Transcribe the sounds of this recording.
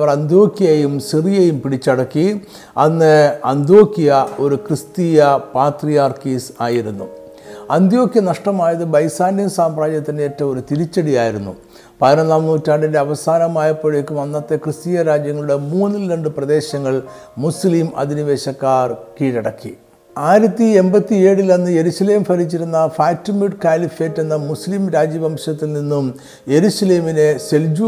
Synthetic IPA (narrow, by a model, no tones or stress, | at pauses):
ʋɐrɐnd̪jo̞ːkːijɐjumsirijɐjumpiɽit͡ɕːɐɽɐkːi | ɐnːɨɐnd̪jo̞ːkːijɐo̞ɾukrɨst̪iːjɐpaːt̪rijaːrkiːsaːjiɾunːṵ | ɐnd̪jo̞ːkijɐnɐʂʈɐmaːjɐðɨbɐjsaːnijusaːmraːd͡ʑjɐt̪ːindeetːɐmo̞ɾut̪ilit͡ɕːɐɽijaːjiɾunːṵ | pɐðinɐnːaːmnuːtːaːɳɖinde̞ɐʋɐsaːnɐmaːjɐpːoɻjekːɨʋɐnːɐt̪ːe̞krɨst̪ijɐɾaːd͡ʑjɐŋːɐɭuɽe̞muːnːilːeɳɖɨprɐd̪e̞ːɕɐŋːɐɭmuslimʔɐ̰d̪iniʋe̞ːɕɐkːaːrkiːɽɐɽɐkːḭ | aːjiɾɐt̪ːie̞mbɐt̪ːie̞ːɽilɐnːɨje̞ɾuɕɐle̞ːmfʰɐɾit͡ɕːiɾunːɐfaːtːimjuʈkaːlifeːtːe̞nːɐmusliːmɾaːd͡ʑjɐbʱɐmʂɐt̪ːilninːum | je̞ɾuɕɐle̞ːmine̞se̞ld͡ʑu